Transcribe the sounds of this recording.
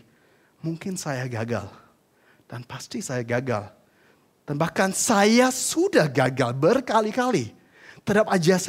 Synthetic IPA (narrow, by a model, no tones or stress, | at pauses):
muŋkɪnsajaɡaɡa̰l | d̥anpast̪isajaɡaɡa̰l | d̥anbahkansajasudahɡaɡalbərkalikali | t̪ədap̚ad͡ʒas